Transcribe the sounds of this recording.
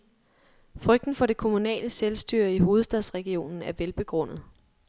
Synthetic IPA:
fʁœɡ̥̚d̥n̩fɒ̽ɾe̝kʰo̝munɛ̰ːləselsd̥yːɐ̰iɦo̝ːð̞̩ˠsd̥ɛðˠsʁɛɡ̥io̝̰ːnn̩æɐʋelb̥e̝ɡ̥ʁɔ̽n̰ð̩ˠ

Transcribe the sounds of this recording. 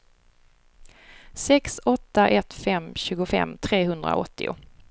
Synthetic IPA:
sɛksɔt̪ːaʔɛt̪fɛmːɕʉ̟ːɡʊfɛ̰mːt̪ʰɾeːɦɵnd̪ɾa̰ɔ̰t̪ːɪʊ̰

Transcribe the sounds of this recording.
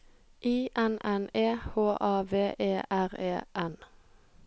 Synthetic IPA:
ʔiːʔɛnɛneːhoːʔɑːʋeːʔeːʔæʁeːʔɛn

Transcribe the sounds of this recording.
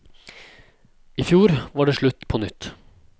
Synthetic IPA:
iːfjuːɾʋɑːɖeːʂɭʉt̪ːpʰɔnʏt̪ː

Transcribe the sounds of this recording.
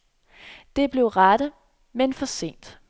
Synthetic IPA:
d̥e̝b̥le̝ʊʁɑɾ̥ə | menfɒ̽se̝̰ːnd̥

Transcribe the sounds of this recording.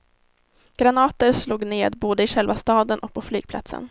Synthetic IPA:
ɡ̥ɾanɑːt̪əɾsluːɡneːd̪boːd̪əɪɧɛlvast̪ɑːd̪ənʔɔk̚pʰɔflyːɡ̚pʰla̰t̪sə̰n

